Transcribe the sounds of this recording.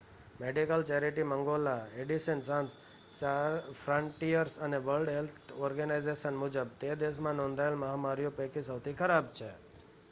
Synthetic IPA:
meɖikəlt͡ʃeɾiʈimə̃ŋɡolaeɖiʃənsãns | afʰɾəɳʈijəɾsəneʋəlɖɦelt̪ʰɔɾɡənajzeʃənmʊd͡ʒəb̚t̪ed̪eʃ̬mãnɔ̃nd̪ʱaelməɦamaɾijopekisəwt̪ʰikʰəɾabt͡ʃʰe

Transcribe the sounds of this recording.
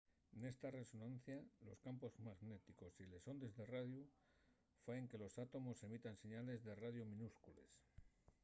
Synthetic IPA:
ne̞st̪are̞so̞nãnθjalo̞̰skampo̞zmaɣne̞t̪iko̞sile̞so̞nd̪e̞zðeraðju | feeŋke̞lo̞sat̪o̞mo̞se̞mit̪anse̞ɲale̞zðe̞raðjomĩnuskule̞̰s

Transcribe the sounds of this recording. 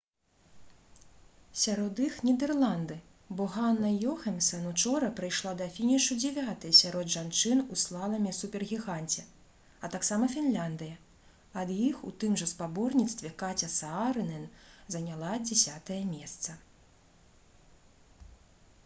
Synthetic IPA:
sʲaɾɔd̪ixnʲid̪ɛrlˠand̪ɨ | bɔɣanːɐjɔxɐmʲsɐnut͡ʂɔɾɐpɾɨjʂlˠad̪ɐfʲinʲiʂud͡zʲɛvʲat̪ɐjsʲaɾɔd̪ʐant͡ʂɨnuslˠalˠɐmʲisupʲɛrɣʲiɣanʲt͡sʲɛ | ɐt̪aksamɐfʲinlʲand̪ɨjɐ | ɐd̪jixṵt̪ɨmʐɐspabɔrnʲit̪st̪vʲɛkat͡sʲɐsaaɾɨnɛnzɐnʲalˠad͡zʲɛsʲat̪ɐjɐmʲɛst̪sɐ

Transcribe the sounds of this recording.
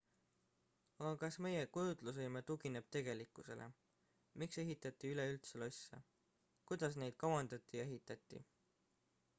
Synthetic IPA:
ɑɡɑkɑsme̞je̞kujud̪̥lus̬ɯjmet̪uɡine̞b̥̚t̪e̞ɡ̥e̞likːˑuse̞̰lʔḛ | mikse̞ɦit̪ːˑɑt̪ːˑiyle̞ylt̪selo̞sʲːɑ̰ | kujd̪̥ɑsne̞jd̪̥̚kɑwɑnd̪̥ɑt̪ːˑijɑe̞ɦit̪ːˑɑt̪ˑːḭ

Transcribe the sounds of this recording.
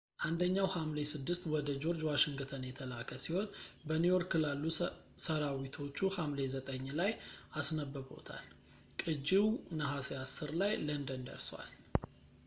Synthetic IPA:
ʔand̪əɲːawhamle̞sɨd̪ːɨst̪wɔd̪əd͡ʒo̞ɾd͡ʒwaʃɪŋɡɨt̪ʰənjɛt̪ʰəlakʰəsiho̞nbənujo̞ɾkɨlalːu | səɾawit̪ʰo̞t͡ʃːuhamle̞zət̪ʼəɲːlajʔasnəbːəβo̞̰t̪ʰa̰l | kʼɨd͡ʒiwnəɦaseasːɨɾlajlənd̪ənd̪ə̰ɾswa̰l

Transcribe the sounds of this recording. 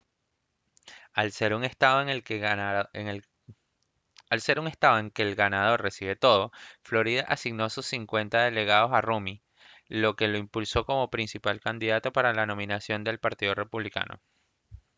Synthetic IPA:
alse̞ɾuŋest̪aoel | alse̞ɾuŋe̞st̪aðoe̞ŋke̞ːlɡanað̞o̞rre̞siβe̞t̪o̞ð̞o̞flo̞ɾiðaʔasiɣno̞asusːiŋkwe̞nt̪aðe̞le̞ɣað̞o̞sarumi | lo̞ke̞lo̞impulso̞ko̞mo̞pɾinsipalkand̪iðat̪o̞paɾalano̞mĩnasjo̞nd̪e̞lpaɾt̪iðo̞re̞puβlika̰no̞̰

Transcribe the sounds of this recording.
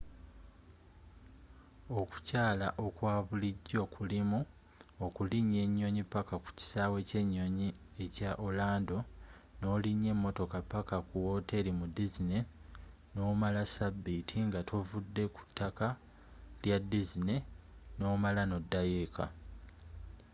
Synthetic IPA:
o̞ku̥caːlaʔo̞kwaːβuliɟːo̞kʰulimu | okuliɲːe̞ɲːo̞ɲipakaku̥ci̥saːwe̞ce̞ɲːo̞ɲie̞caʔolaːndo̞no̞ːliɲːe̞mːo̞to̞kapːakakuwo̞te̞limudizine̞ | no̞ːmalasabːitʰiŋɡatuvudːe̞ku̥tʰːaka | ljadizine̞no̞ːmalano̞dːajeːka̰

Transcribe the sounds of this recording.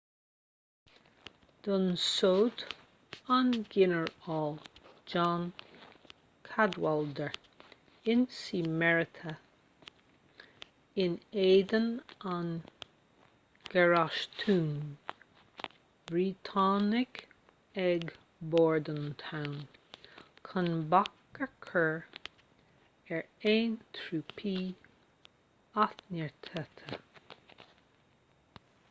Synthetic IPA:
d̪̥ənsoːt | anɡɪnəɹɑːld͡ʒɑːn | kʰad̪wald̪əɹ | ɪnsimɛɹɪtʰə | ɪneːd̪ənan | ɡ̥ɛɹaʃt̪ʰuːn | bɹiːt̪ʰɑːnɪk | ɛɡ | bɔːɹd̪ənt̪ʰawn | kʰanbakːəkʰəɹ | ɛɹeːnt̪ʰɾuːpʰiː | at̪nəɹt̪ʰət̪ʰə

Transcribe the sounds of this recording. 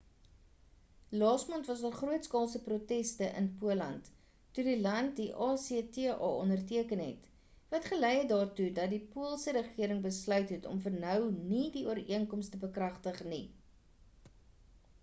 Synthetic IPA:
lɑːsmɔntvɐs̬dɑlˠχruətskɑːlˠsəprutɛstəʔə̰npuəlɐntː | udilɐntdiʔɑːsitiʔɑ̰ːɔndərtiəkənɦɛ̰t | vɐtχəlɛjɛdɑːrtudɐdipuəlˠsəɾəχiəɾəŋbəslœɥtɦɛtɔ̰mfərnœwnidiuəɾiəŋkɔmstəbəkrɐχtəχni

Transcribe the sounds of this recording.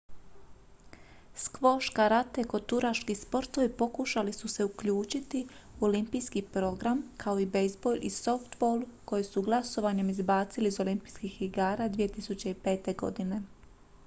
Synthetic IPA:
skʋo̞ʃkaɾat̪eko̞t̪uɾaʃkispo̞ɾt̪o̞ʋipo̞kuʃalisuse̞ukʎuːt͡ʃit̪i | uo̞limpijskipɾo̞ɡɾamkʰao̞ibe̞jzbo̞lʲʔiso̞ft̪bolˠuko̞jesuɡlˠaso̞ʋaɲemizbaːt̪siliːzo̞limpi̥jskixiɡaːɾaːd̪ʋije̞t̪isut͡ɕe̞ipe̞ːt̪e̞ɡo̞̰d̪ine̞

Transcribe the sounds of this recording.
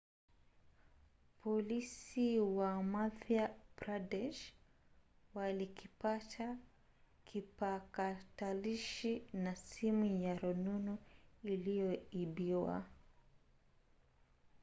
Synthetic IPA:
pʰɔlisiwamafjabɾadɛʃ | walikipata | kʰipakataliʃinasimujaɾɔnunuilijɔiɓiwa̰

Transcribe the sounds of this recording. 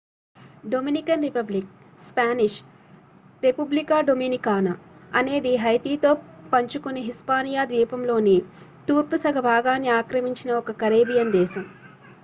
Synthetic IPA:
ɖominikɐnɾipɐblik̚ | spaːniʂ | ɾepublikaːɖominikaːnɐɐne̞ːd̪iɦɐjt̪iːt̪o̞ːpɐɲt͡ʃukuniɦispaːnijaːd̪ʋiːpɐmlo̞ːni | t̪uːɾpusɐɡʱɐbʱaːɡaːnːiaːkɾɐmiɲt͡ʃinɐɔkɐkɐɾeːbijɐnd̪ɛːʃɐm

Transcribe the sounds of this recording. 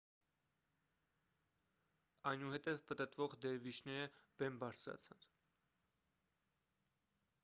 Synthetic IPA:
ɑjnuhɛt̪ɛvpət̪ət̪vɔʁd̪ɛɾvit͡ʃʰnɛɾəb̥ɛmbɑɾt͡sʰɾɑ̰t͡sʰɑn

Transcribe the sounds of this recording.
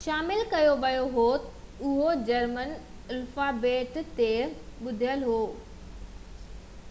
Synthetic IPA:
ʃaːmɪlkɐjoʋɐjoɦot̪ʊɦod͡ʑɐɾmənɪlfabeːʈt̪eɓʊd̪ʱijəlɦoː

